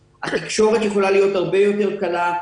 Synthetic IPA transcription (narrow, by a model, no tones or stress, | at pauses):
at̪ikʃo̞ʁet̪jeχolalijo̞t̪aʁbejo̞t̪e̞ʁkala